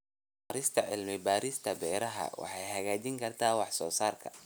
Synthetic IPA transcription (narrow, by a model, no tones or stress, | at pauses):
aːɾɪst̪ʰɐʕɪlmɪbaːɾɪst̪ʰɐbɛːɾɐɦɐ̰wɑ̰ħɑjhɐɣaːt͡ʃɪŋkʰɐrt̪ʰaːwɑħsɔːsaːrkʰɐ